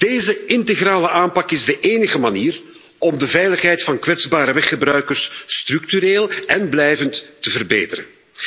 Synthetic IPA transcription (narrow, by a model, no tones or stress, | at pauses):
d̥eːzəɪnteɣraːləʔaːmpɑkɪzdəʔeːnəɣəmaniːr | ɔmdəvɛjləxɦɛjtfɑnkʋɛdzbaːɾəʋɛxəbrœɥkərstrʏk̚tyɾeːlɛnblɛjvəntːəvərbḛːtəɾə̰n